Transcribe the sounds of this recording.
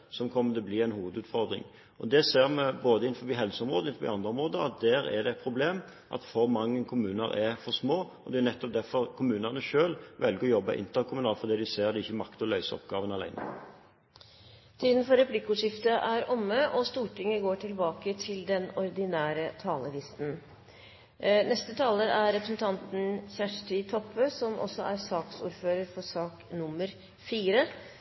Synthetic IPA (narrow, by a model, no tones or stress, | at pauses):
sɔmkʰɔmːət̪ʰɛɔbliːæɪnhuːʋəd̪ʉːt̪fɔɾd̪ɾɪ̰ŋ | ɔd̪ɛseːɾmɛboːd̪əɪn̩fɔʋiːɦɛlsəɔmʁoːd̪əɪnfɔbḭɑnd̪ʁəɔmʁoːd̪əɑ̰t̪̚d̪æːɾɛ̰ɖ̪ɛɛt̪̚pʰɾʊbleːm | ʔɑ̰t̪fɔɾmɑŋːənkʰʊmʉːnə̰ɾʔɛfɔʁsmoː | ɔd̪ɛænɛt̪ːɔp̚d̪æfɔɾkʰʊmʉːnəʁnəʃøːlʋɛlɡəɾɔjɔbːɑ̰ʔɪ̰nt̪əɾkʰʊmʉnɑːlfɔɾd̪iːd̪ɪseːʁd̪ɛɪçːəmɑkt̪ɔlœʏsəɔ̰p̚ɡɑːʋənɑlæ̰ɪnə̰ | t̪ʰiːd̪nfɔɾɛpʰlɪkːuːʂɪft̪əʔæɾɔmːəʔɔst̪uːʈɪŋəɡoːʈʰɪlbɑːkət̪ʰɪld̪ɛnɔɾd̪ɪnæːɾət̪ʰɑːləlɪst̪n̩ | nɛst̪ət̪ʰɑːləɾæɾɾɛpɾəsn̩t̪ʰɑnt̪n̩çæʂʈɪt̪ʰɔpʰːəsɔmʔɔ̰sɔʔæɾsɑːksṵːɾføːɾəɾfɔsɑːknʊməɾ | fiːɾə